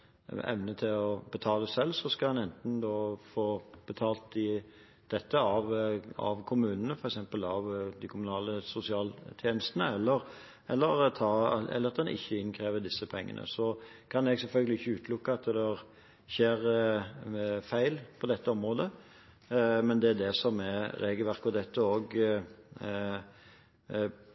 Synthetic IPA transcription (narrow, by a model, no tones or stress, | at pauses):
ɛ̰ʋnət̪ʰɪlɔbət̪ʰɑːləd̪ɛsɛlsɔskɑlhɑnɛnt̪n̩d̪oːfoːb̥ət̪ʰɑːlt̪ɪ | d̪̥ɛt̪ːəɑʋɑ̰ʋkʰʊmʉːnənəfɔɾɛksɛmpəlɑʋd̪ɪkʰʊmʊnɑːləsʊsɪɑːlt̪ʰjeːnəst̪ənəɛlːəɾ | ɛlːəɾt̪ʰɑːɛ̰lːəʁɑt̪d̪ɛnʔɪ̰çːəɪnkʰɾeːʋəd̪ɪsːəpʰɛŋːə̰nʔə̰sɔkʰɑnɛɡsɛlfœlɡəlɪɪçːəʉːt̪ʰlʊkːəɑt̪d̪ɛɾ | çeːɾ | fæɪlpʰɔd̪ɛt̪ːəɔmɾoːd̪ə | mɛnd̪ɛæd̪ɛsɔmɛɾeːɡəlʋæʁkɔd̪ɛt̪ːəoːɡ